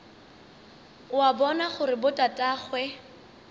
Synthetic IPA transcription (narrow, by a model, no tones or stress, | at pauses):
wabɔnaχʊrɪbʊtʼatʼaːχwɛ